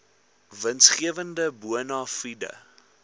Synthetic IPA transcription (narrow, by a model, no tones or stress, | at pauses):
vənsχiəvəndəbuənɑːfidə̰